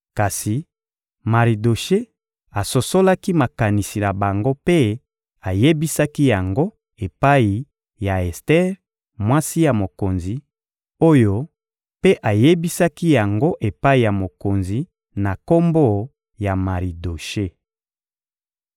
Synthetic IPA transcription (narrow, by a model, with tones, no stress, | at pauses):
ka˨si˨ | ma˨ʁi˨do˨ʃe˦ | a˨so˨so˦la˦ki˦ma˨ka˨ni˨si˨na˨ba˨ŋɡo˦pe˦ | a˨je˦bi˦sa˦ki˦ja˨ŋɡo˦ | e˨pa˦i˨ | ja˨e˨stɛ˦ʁ | mwa˦si˦ja˨mo˨ko˨nzi˨ | o˦jo˦ | pe˦ʔa˨je˦bi˦sa˦ki˦ja˨ŋɡo˦ʔe˨pa˦i˨ja˨mo˨ko˨nzi˨ | na˨ko˦mbo˦ | ja˨ma˨ʁi˨do˨ʃe˦